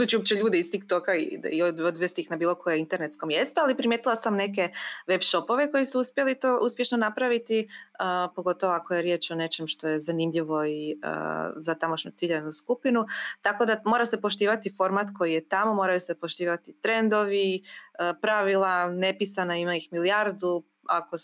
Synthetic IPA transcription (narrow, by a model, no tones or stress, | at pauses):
ut͡ɕiop̚t͡ɕeʎuːd̪eist̪ikt̪okaḭiod̪od̪ʋest̪iixnabiːlˠo̞ko̞jeint̪e̞ɾne̞t̪sko̞mje̞st̪oalipɾimjeːt̪ilasamne̞ke̞ʋe̞bʃo̞po̞ʋe̞ko̞jisuuspje̞lit̪oʔuspje̞ʃnonapɾaʋit̪iəpo̞ɡo̞t̪oʋoakojeɾje̞ːt͡ʃo̞ne̞t͡ʃe̞mʃt̪o̞je̞zanimʎiʋo̞iə̰zat̪amoʃɲut̪siʎeʋnuskupinut̪ako̞d̪amoɾase̞po̞ʃt̪iːʋat̪ifo̞ɾmat̪ko̞jijet̪amo̞mo̞ɾajuse̞poʃt̪iːʋat̪it̪ɾe̞nd̪o̞ʋiəpɾaʋilˠane̞pisanaimaixmilijaɾd̪u | a̰ko̞